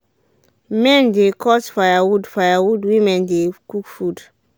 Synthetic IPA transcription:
mɛ̃ndekʰɔsfajawudfajawudwĩmɛ̃ndekukfud

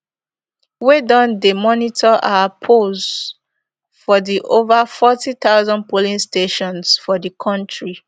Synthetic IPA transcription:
wedɔ̃ndəmɔnitʰɔʔapʰoz | fɔðiʔovafɔtit̪aʊzɔ̃npolĩnsteʃɔ̃nsfɔdəkʰɔ̃ntɹi

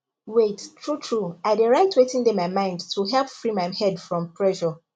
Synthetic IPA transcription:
wettʰɹutʰɹuaɪdeɹaɪtʰwetɪ̃ndemajmãɪ̃ndtʰuɦɛlˠpfɹimaɪmhɛdfɹɔ̃mpʰɹɛʃɔ

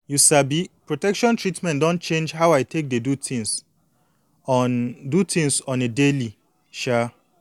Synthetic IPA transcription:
jusabipɹotɛkʃɔ̃ntɹitmɛ̃ntdɔ̃nt̚t͡ʃẽnd͡ʒhawajtʰek̚dedutʰĩŋs | dutʰĩŋsɔ̃nedeli | ʃa

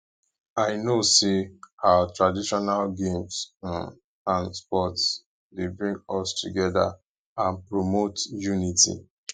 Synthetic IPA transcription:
aɪnosehawatɹadiʃɔnalɡẽms | ãnspɔts | debɹĩŋɡɔstuɡɛda̰ | ãnpɹomotjunitḭ

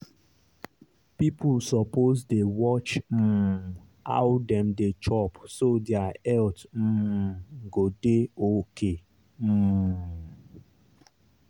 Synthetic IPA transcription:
pipʰʊsɔpozdewɔt͡ʃm̩ | a̰ʊdɛmdet͡ʃɔpsodeaɛltm̩ | ɡodeokʰe | m̩

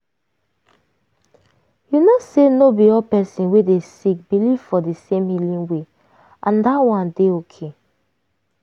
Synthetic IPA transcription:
junosenobiɔpɛsĩnwedesik̚biliv̥fɔdisẽmhilĩnwe | ʔãndatwãndeokʰe

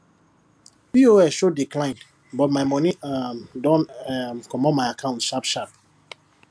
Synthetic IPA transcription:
vioɛʃodiklãɪ̃nd | bɔt̚maɪmɔ̃niadɔ̃nmkʰɔmɔmaɪakʰãʊ̃ntʃapʃap̚

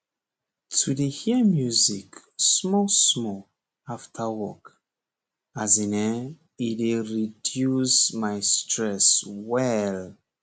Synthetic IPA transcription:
tʰudehimjuziksmɔsmɔ | aftʰawɔk | azinɛ | ideɹidjusmaɪstʰɹɛswɛl

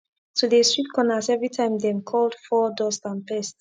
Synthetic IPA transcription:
tʰudestɹit̚kʰɔ̃nasɛvɹitʰãɪ̃mdɛ̃mkʰɔld̥fɔdɔstãnpɛst

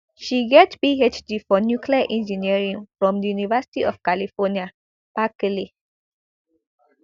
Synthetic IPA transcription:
ʃiɡɛtbiet͡ʃdifɔnjukʰliaʔɛ̃nd͡ʒiniɹĩŋfɹɔ̃mdəjunivəsi̥tiʔɔfkalifɔnia | pakəli

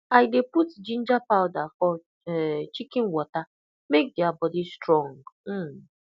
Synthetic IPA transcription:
aɪdeputd͡ʒĩn̩d͡ʒapaʊdafɔ | ɛt͡ʃikɪŋwɔta | mek̚dɪabɔdistɾɔ̃ŋm̩

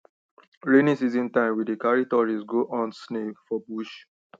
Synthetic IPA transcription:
ɹenĩsizĩntãɪ̃mwidekaɹitɔɹisɡoʔɔ̃nsnefɔbuʃ

